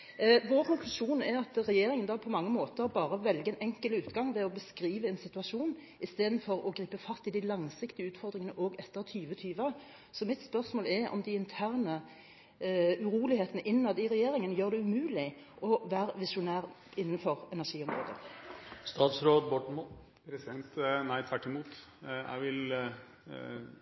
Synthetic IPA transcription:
ʋoːʁkʊŋklʉʂuːnɛɾɑt̪ʁɛjeːɾɪŋənd̪ɑːpʰɔmɑŋːəmoːt̪əʁɔbɑːʁəʋɛlɡəɛnʔɛŋkəlʉːt̪ɡɑŋʋɛɔbəskʁiːʋəɛnsɪt̪ʉɑʂuːn | ɪst̪eːd̪n̩fɔɾɔɡʁiːpəfɑst̪ɪd̪ɪlɑŋsɪkt̪ɪəʉːt̪fɔʁd̪ʁɪŋənəʔoːɡɛt̪ːəʁt̪ʰyːʋət̪ʰyːʋɑ | sɔmɪt̪spœʁsmoːlɛɾɔ̰md̪ɪɪnt̪ʰæːʁnə | ʉʁuːlɪheːt̪ənəʔɪnnɑːd̪əɪʁɛjeːʁɪŋənəjøːʁd̪ɛʉmʉːlɪ | ʔɔʋæːʁʋɪsʊnæːʁ | ɪnːənfɔʁɛnæʁʂiːɔmʁo̰ːd̪ə̰st̪ɑːt̪sɾoːd̪bɔʈɳ | næɪt̪ʰʋæʈːɪmuːt̪jæ̰ɪʋɪl

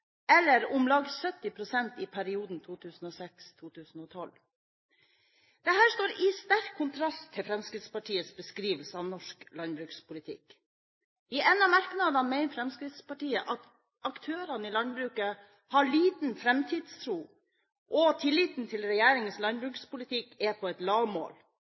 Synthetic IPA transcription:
ɛlːəɾʊmlɑɡsœt̪ːɪpʰɾʊsɛnt̪ɪpʰæɾɪuːd̪n̩t̪ʰuːt̪ʰʉːsn̩ɔsɛkst̪ʰuːt̪ʰʉːsn̩ɔt̪ʰɔl | d̪̥ɛɦæːʂt̪oːɾɪst̪æɾkʰːʊnt̪ʰɾɑst̪ʰːɪlfɾɛmskɾɪt̪spɑʈʰiːəsbəskɾiːʋəlsəɑʋnɔʂklɑnbɾʉːkspʰʊlɪt̪ʰɪ̰k | ɪʔɛnɑmæɾknɑd̪ɑmɛɪnfɾɛmskɾɪt̪spɑʈiːəʔɑt̪ | ɑkt̪ʰøːɾɑnəɪlɑnbɾʉːkə | hɑɭiːt̪n̩fɾɛmt̪ʰiːd̪st̪ʰɾuː | ʔɔt̪ʰɪlːiːt̪n̩t̪ʰɪlɾɛjæːɾɪŋənslɑnbɾʉːkspʊlɪt̪ʰɪkɛpʰɔɛt̪lɑːʋmo̰ːl

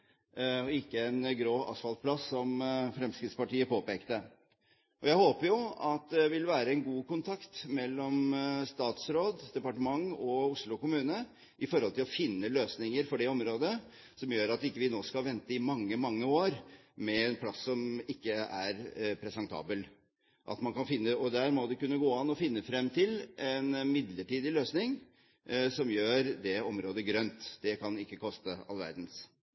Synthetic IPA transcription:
ɔɪkːəænɡɾoːɑ̰sfɑlt̪̚pʰlɑsːɔmfɾɛmskɾɪt̪spɑʈiːəpoːpeːkt̪ə | ʔɔjæɪhoːpəɾjʊɑt̪̚d̪ɛʋɪlʋæːɾəɛnɡuːkʊnt̪ʰɑkt̪mɛlːɔmst̪ɑːt̪sɾoːd̪d̪ɛpɑʈəmɑŋɔʊʂlʊkʊmʉːnə | ʔɪfɔɾhɔlt̪ʰɪlɔfɪnːəløːsnɪŋəɾfɔɖɛɔmɾoːd̪ə | sɔmjøːɾɑt̪ɪkːəʋɪnoːskɑʋɛnt̪əɪmɑŋːəmɑŋːəoːɾ | mɛɛnpʰlɑsːɔmɪkːəæ̰ɾpʰɾɛsɛnt̪ʰɑ̰ːbəl | ʔɑ̰t̪mɑnkɑnfɪnːəɔd̪æːɾmɔd̪ɛkʉnːəɡoːɑnɔfɪnːəfɾɛmːt̪ʰɪlʔɛnmɪd̪ləʈiːd̪ɪløːsnɪŋ | sɔmjøːɾd̪ɛɔmɾoːd̪əɡɾœnt̪d̪ɛkʰɑnɪkːəkʰɔst̪əɑ̰lʋæ̰ɾd̪ns

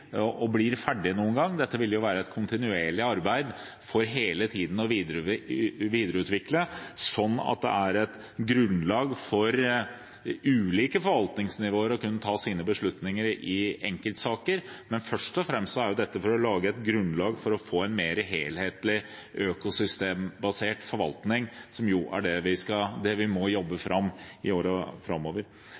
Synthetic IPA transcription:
ʔɔblɪɾfæɖːɪnuːənɡɑŋːd̪ɛt̪ːəʋɪljʊʋæːɾəɛt̪kʰʊnt̪ɪnʉeːɭɪɑɾbæɪd̪ | fɔɾɦeːlət̪ʰiːd̪n̩ɔʋiːd̪ | ʋiːd̪əɾəʉːt̪ʋɪkləsɔnːɑ̰t̪̚d̪ɛ̰ʔæɾɛt̪ | ɡɾʉnlɑːɡfɔɾ | ʉːliːkəfɔɾʋɑlt̪nɪŋsnɪʋoːəɾɔkʉnːət̪ʰɑːsiːnəbəʂɭʉt̪nɪŋəɾɪɛŋkəlt̪sɑːkəɾ | mɛnfœʂʈɔfɾɛmst̪sɔæɾjʊd̪ɛt̪ːəfɔɾɔlɑːɡəɛt̪ɡɾʉnlɑːɡfɔɾɔfoːɛnmeːɾəɦeːlheːt̪lɪ | ʔøːkʊsʏst̪eːmbɑseːʈfɔɾʋɑ̰lt̪nɪŋsɔmjʊʔæ̰ɖɛʋɪskɑd̪ɛʋɪmɔjɔbːəfɾʔɑmːɪoːɾəfɾɑmːoːʋəɾ

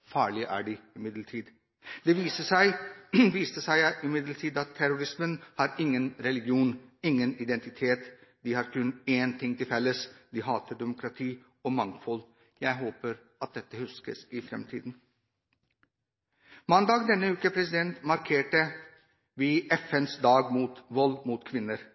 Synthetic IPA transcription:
fɑːɭɪəʔæ̰ːɖɪɪmɪd̪ləʈʰiːd̪ | d̪̥ɛʋiːsəsæɪʋiːst̪əsæɪɪmɪd̪ləʈʰiːd̪ɑt̪ʰːæɾʊɾɪsmənhɑɾɪŋːənɾɛlɪɡjuːnɪŋːənɪd̪ɛnt̪ɪt̪ʰeːt̪d̪ɪhɑɾkʰʉnːeːnt̪ʰɪŋt̪ʰɪlfɛlːəsd̪ɪɦɑːt̪əɖ̪ɛmʊkɾɑt̪ʰiː | ɔmɑŋfɔl | jæɪɦoːpəɾ | ɑt̪̚d̪ɛt̪ːəhʉskəsɪfɾɛ̰mt̪ʰḭːd̪n̩ | mɑnd̪ɑːɡd̪ɛnːəʉːkəpʰɾɛsɪd̪ɛnt̪mɑɾkʰeːʈə | ʋiːɛfɛnsd̪ɑːɡmuːt̪ʋɔlːmuːt̪kʰʋɪnːəɾ

